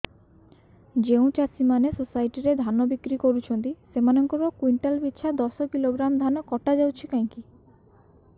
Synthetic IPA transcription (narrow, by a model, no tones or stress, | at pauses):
d͡ʒeũt͡ʃasimanesosajʈiɾed̪ʱanɔbikɾikoɾut͡ʃʰɔnt̪isemanɔŋkɔɾɔkwiɳʈalbit̪ːʃʰad̪ɔsɔkiloɡɾamd̪ʱanɔkɔʈad͡ʒawt͡ʃʰikajŋki